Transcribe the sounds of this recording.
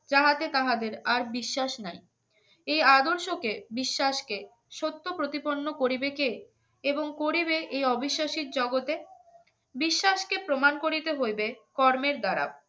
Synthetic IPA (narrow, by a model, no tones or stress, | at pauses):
d͡ʑaɦat̪et̪aɦad̪eɾaɾbiʃːaʃnaj | ejad̪oɾʃokebiʃːaʃke | ʃot̪ːopɾot̪iponːokoɾibeke | eboŋkoɾibeʔejɔbʱiʃːaʃiɾd͡ʑɔɡot̪e | biʃːaʃkepɾomankoɾit̪eɦojbekɔɾmeɾd̪aɾa̰b̚